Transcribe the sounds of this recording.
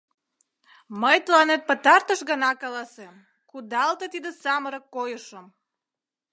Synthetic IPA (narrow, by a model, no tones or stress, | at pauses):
məjt̪əlɑnet̪̚pət̪ɑrt̪əʃɣənɑkɑlɑsem | kud̪ɑlt̪ət̪id̪esɑməɾəkːojəʃəm